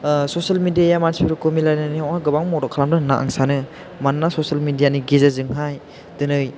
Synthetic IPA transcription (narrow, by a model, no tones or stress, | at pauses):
sosalmidijajamansiɾukomilajnɯniaŋaɡɯbaŋmɔɾɔkʰalamdɯnaʔa̰ŋsanɯ | manːasɔsalmidijaniɡezazɯŋɦaj | dɯnɯj